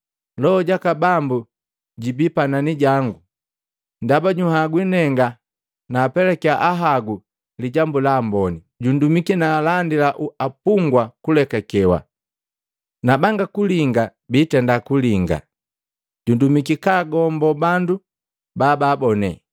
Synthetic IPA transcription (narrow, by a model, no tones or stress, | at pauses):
lɔɟakabambu | ɟibipananiɟaŋɡu | ndabaɟuhaɡwinɛŋɡa | naːpɛlɛkiaʔaɦaɡu | liɟambulaːmbɔni | ɟundumikinaːlandilaʔuapuŋɡwakulɛkakɛwa̰ | nabaŋɡakuliŋɡabitɛndakuliŋɡa̰ | ɟundumikikaɡɔmbɔbandu | baːbaːbɔnɛ̰